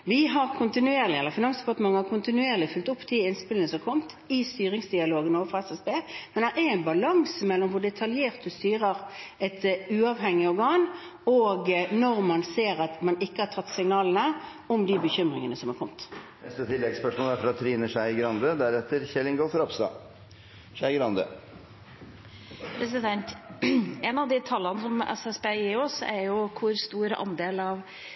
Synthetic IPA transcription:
ʋɪɦɑɾkʰʊnt̪ɪnʉeːʁlɪɛlːəɾfɪnɑnsd̪ɛpɑʁt̪əmɑŋːəɑkʰʊnt̪ɪnʉeːʁlɪfʉlt̪ʊpːd̪iɪnspɪlənəsɔmkʰɔmt̪ | ɪst̪yːɾɪŋsd̪ɪɑloːɡənoːʋəfɔɛsɛsbeːmɛnd̪æɾææɪnbɑlɑŋsmɛlːɔmʋʊɖɛt̪ʰɑljeːʁt̪̚d̪ʉst̪yːʁəɾɛt̪ʉːɑʋɦɛŋːɪɔɾɡɑːn | ɔɡnɔɾmɑnseːɾɑt̪mɑnɪkːəhɑt̪ʰɑt̪ːsɪŋnɑːlənə | ɔmd̪ibəçʏmʁɪŋənəsɔmæɾkʰɔmt̪nɛst̪ət̪ʰɪlːɛɡspœʂmɔlæɾfɔɾɑt̪ʰːɾiːnəʂæɪɡɾɑnd̪əd̪æɾɛt̪ːəɾçɛlɪŋɡɔlfɾɑpst̪ɑ̰ː | ʂæɪɡɾɑnd̪ə̰ | pʰɾɛsɪd̪ɛnt̪ | ɛnɑʋd̪ɪt̪ʰɑlːənəsɔmɛ̰sɛspeɪɔsɛ̰ɾjʊkʰʊɾst̪uːɾə̰ʔɑ̰nd̪eːlɑʋ

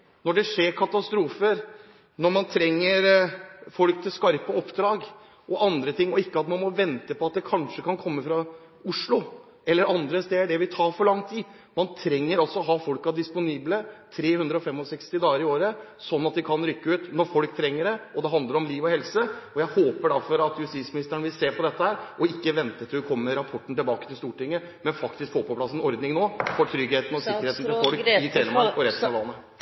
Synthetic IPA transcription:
nɔɖɛʂeːɾkʰɑt̪ɑst̪ɾuːfəɾ | nɔɾmɑnt̪ʰɾɛŋːəɾfɔlk̚t̪ʰɪlskɑɾpəɔpːd̪ɾɑːɡ | ɔʔɑnd̪ɾət̪ʰɪŋːɔɪkːəɑt̪mɑnmɔʋɛnt̪əpʰɔɑt̪̚d̪ɛkʰɑnʂəkʰɑnkʰɔmːəfɾɑ | ʊʂlʊ | ɛlːəɾɑnd̪ɾəst̪eːɖɛʋɪt̪ʰɑːɾfɔɾɭɑŋːt̪ʰiːd̪ | mɑnt̪ʰɾɛŋːəɾɑlsɔɔɦɑːfɔlkɑɖ̪ɪspʊniːblət̪ʰɾeːhʉnd̪ɾəɔfɛmɔsɛkst̪ɪd̪ɑːɡəɾɪoːɾəsɔnːɑt̪ʋɪkʰɑnɾʏkːəʉːt̪nɔɾfɔlkt̪ʰɾɛŋːəɖɛɔd̪ɛɦɑnd̪ləɾɔmliːʋɔhɛlsəɔjæɪhoːpəɖæɾfɔɾɑt̪jʉst̪ɪt̪smɪnɪst̪əɳəʋɪlseːpʰɔd̪ɛt̪ːəhæːɾɔɪkːəʋɛnt̪ət̪ʰɪɾʉkʰɔmːəɾɑpʰɔʈːn̩t̪ɪlbɑːkət̪ɪlst̪uːʈɪŋːə | mɛnfɑkt̪ɪskfoːpʰɔpʰlɑsːɛnɔɾd̪nɪŋnoːfɔʈ̪ʰɾʏɡheːt̪n̩ɔsɪkːəɾeːt̪n̩ɪfɔlkɪt̪ʰɾeːnəmɑɾɔɾɛsɑʋlɑnːə

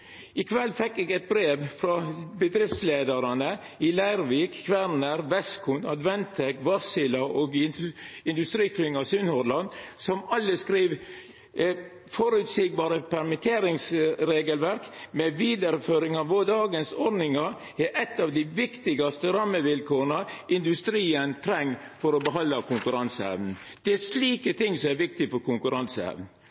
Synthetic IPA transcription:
ɪkʰʋɛlːfɛkːɛɡɛt̪̚bɾeːʋfɾɑbəd̪ɾɪft̪sleːd̪əɾɑnə | ɪlæɪɾʋiːkkʰʋæɾnəɾʋɛskʰʊnɑd̪ʋɛnt̪ʰɪkʋɑsɪlɑʔoɡ | ɪnd̪ʉst̪ɾiːkʰlʏŋɑsʉnhɔɾlɑnsɔmɑlːəskɾiːʋ | fɔɾʉt̪siːɡ̚bɑːɾəpʰæɾmɪt̪ʰeːɾɪŋsɾeːɡəlʋæɾkmɛʋiːd̪əɾføːɾɪŋɑʋod̪ɑːɡənsɔɾnɪŋɑ | ɛʔɛt̪ːɑʋd̪ɪʋɪkt̪ɪɡɑst̪əɾɑmːəʋɪlkʰoːɾənɑɪnd̪ʉst̪ɾiːənt̪ʰɾɛŋː | fɔɾɔbəɦɑnd̪ɑkʊŋkʉɾɑnsæ̰ʋn̩ | d̪̥ɛæʂliːkət̪ʰɪŋsɔmæɾʋɪk̚t̪ɪfɔɾkʊŋkʉɾɑnsæ̰ʋn̩

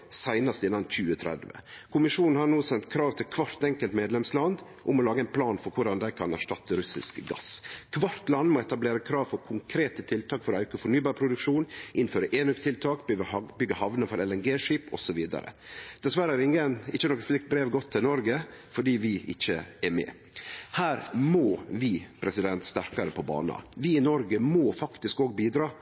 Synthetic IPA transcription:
sæɪnɑst̪ɪnːɑnc͡çʉːət̪ʰɾɛ̰d̪ʋə̰kʰʊmɪʂuːnn̩hɑɾnoːsɛnt̪kʰɾɑːʋt̪ʰɪlkʰʋɑɾt̪ɛŋkəlt̪meːd̪lɛmslɑnd̪ | ʔʊmɔlɑːɡəæɪnpʰlɑːnfɔɾkʰʊɖɑnd̪æɪkʰɑnæ̰ʂʈɑt̪ːəɾʉsɪ̰skɡɑ̰skʰʋɑɾt̪lɑnːmoːɛt̪ɑbleːɾəkʰɾɑːʋfɔɾkʰʊŋkʰɾeːt̪ət̪ʰɪlt̪ʰɑːkfɔɾɔœʉkəfɔɳyːbɑːɾpʰɾʊd̪ʉkʂuːnʔɪnføːɾəʔeːnʉkt̪ʰɪlt̪ʰɑːkbʏɡəhɑʋnəfɔɾɛlɛnɡeːʂiːpɔsɔʋiːd̪ɑ̰ɾə̰d̪̥ɛsʋæɾəæɾɪŋənɪçːənɔkːəslɪk̚t̪̚bɾeːʋɡɔt̪ʰːɪlnɔɾɡəfɔɖiːʋɪʔɪ̰çːəɛɾmɛ̰ː | hæːɾmoːʋɪpʰɾɛsɪd̪ɛnt̪st̪æɾkɑɾəpʰɔbɑ̰ːnɑ̰ʋɪɪnɔɾɡəmoːfɑkt̪ɪskɔːɡbiːd̪ɾɑː

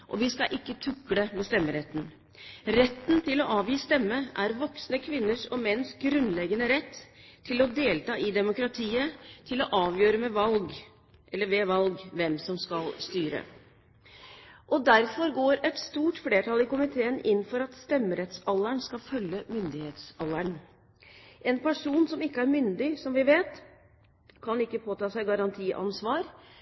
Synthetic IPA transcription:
ʔɔ̰ʋɪskɑʔɪkːət̪ʰʉkːləmɛst̪ɛmːəɾɛt̪ːn̩ | ɾɛt̪ːnt̪ʰɪlɔʔɑːʋjiːst̪ɛmːəʔæɾʋɔksnəkʰʋɪnːəʂɔmɛnːsɡɾʉnlɛɡənəɾɛt̪ʰːɪlɔd̪eːlt̪ɑːʔɪd̪ɛmʊkɾɑt̪ʰiːət̪ʰɪlɔʔɑːʋjøːɾəmɛʋɑlɡ | ʔɛlːəɾʋeːʋɑlɡʋɛmsɔmskɑlst̪yːɾə̰ | ʔɔd̪æɾfɔɾɡoːɾɛt̪st̪uːʈfleːʈʰɑlɪkʊmɪt̪ʰeːənɪnːfɔɾɑt̪st̪ɛmːəɾɛt̪sɑlːəɳskɑfœlːəmʏnd̪ɪheːt̪sɑlːəɳ | ʔɛnpʰæʂuːnsɔmɪkːəæɾmʏnd̪ɪsɔmʋɪʋeːt̪ | kʰɑnɪkːəpʰoːt̪ɑːsæɪɡɑɾɑnt̪ʰiːʔɑ̰nsʋɑːɾ

